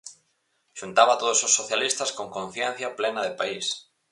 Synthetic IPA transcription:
ʃunt̪aβɐt̪oðosʊsːoθjalist̪ɐskoŋkõn̟θjɛn̟θjɐplɛnɐðɪpais

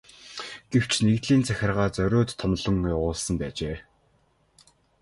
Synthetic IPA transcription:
ɡ̥ew̥t͡ɕʰneɣt̪ɮiːnt͡sʰæxʲɪ̆rʁaːt͡sœɾʲoːt̪ʰːɔmɮɞ̆ŋjaʁʊːɮsə̆mpæːt͡ɕeː

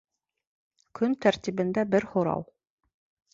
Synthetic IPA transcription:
kʰɵnt̪ʰæɾt̪iβɘ̆nd̪æbɘɾhŏɾɑ̰w

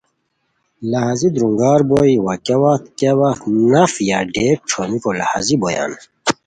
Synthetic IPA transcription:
lɐhazid̪ɾuŋɡaːɾboːiwakɐwat̪̚kewanɐfjaːɖeːk̚ʈ͡ʂʰoːmikolɐ̰ha̰ziboja̰ːn

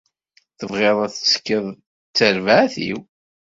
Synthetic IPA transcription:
θəvʁeðˤæθət͡sːə̥kːəðˤ | t͡sːəɾvaʕθḭw

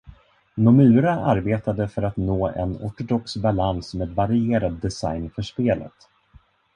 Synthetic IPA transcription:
nʊmʉ̟ːɾaʔa̰ɾbeːt̪ad̪əfœɾat̪noːɛ̰nɔ̰ʈʊd̪ɔksbalansmeːd̪vaɾɪeːɾad̪ːɛsa̰jnfœʂpeːlə̰t̪

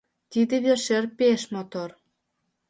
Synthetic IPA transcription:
t̪id̪ĕβerʃerpeʃmot̪or

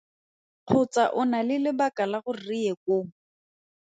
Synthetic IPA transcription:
q͡χʰʊt͡saʔʊnalɪlɪbakʼalaɣʊriɛkʊ

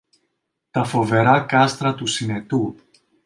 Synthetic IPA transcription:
t̪ɐfo̞ve̞ɾɐkɐst̪ɾɐt̪usine̞t̪u

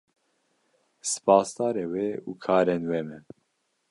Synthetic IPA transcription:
sɨ̥pʰɑːst̪ɑːɾeːweːṵːkʰɑːɾenwemɛ

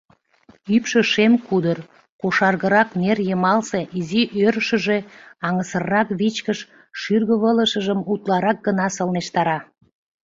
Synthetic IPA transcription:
ypʃə̆ʃemkud̪ər | koʃɑrɣəɾɑknerjəmɑlseʔiziʔøɾəʃə̆ʒeɑŋəsərːɑkβit͡ɕkəʃ | ʃyrɣə̆βələʃəʒəmut̪lɑɾɑk̚ɡənɑsəlneʃt̪ɑɾɑ

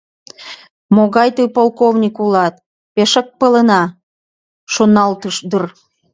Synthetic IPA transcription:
moɣɑjt̪ojpolˠkovnʲikulɑt̪̚ | peʃək̚pələnɑ | ʃonɑlt̪əʃd̪ər

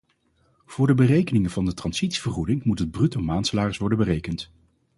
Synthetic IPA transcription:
v̥ʊːɹdəbərejkənɪŋəvɑndətrɑnzitsi̥v̥ərχudɪŋmutɦəd̚brytəmaːnsəlaːrəsʋɔɹdənbərejkənt

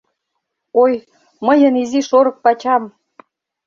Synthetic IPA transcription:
oj | məjə̆niziʃoɾɤ̆k̚pɑt͡ɕɑm

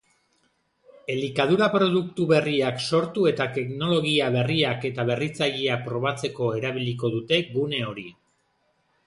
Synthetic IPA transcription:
e̞likað̞uɾapɾo̞ðukt̪uβe̞riakso̞ɾt̪ue̞t̪at̪e̞kno̞lo̞ɣiaβe̞riake̞t̪aβ̞erit͡saʎiapɾo̞β̞at͡se̞ko̞e̞ɾaβ̞iliko̞ðut̪e̞ɣune̞o̞ɾi

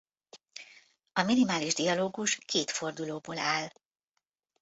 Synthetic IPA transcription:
ɒminimaːliʒd̪iɒloːɡuʃkʰeːt̪fo̞rd̪uloːboːlaːl

